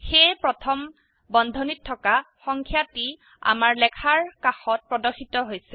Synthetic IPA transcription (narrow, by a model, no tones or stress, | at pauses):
xejpɹɔtʰɔm | bɔnd̪ʱɔnitʰːɔka | xɔŋkʰjati | a̰maɹlɛkʰaɹkaxɔt̚pɹɔdɔxitɔɦojsɛ